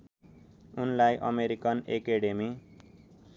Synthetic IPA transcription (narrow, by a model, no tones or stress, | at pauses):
unlajʔʌ̰meɾikʌnekeɽemi